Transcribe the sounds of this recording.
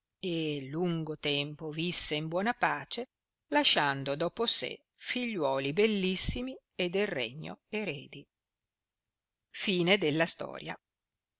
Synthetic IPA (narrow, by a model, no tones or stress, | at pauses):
eluŋɡot̪ɛmpovisːeimbwɔːnapaːt͡ʃe | laʃːand̪od̪ɔːposḛ | fiʎːwɔːlibelːisːimi | ed̪elrḛɲːo̰eɾeːd̪i | fiːned̪elːast̪ɔ̰ːɾja̰